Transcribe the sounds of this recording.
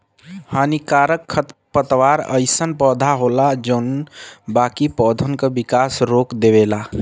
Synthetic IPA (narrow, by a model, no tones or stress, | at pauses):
haːnikaːɾəkʰːət̪pət̪waːɾə̰ɪsənpɔːd̪ʱaɦoːlad͡ʒoːnbaːkipɔːd̪ʱənkəbɪkaːsɾoːkd̪ebela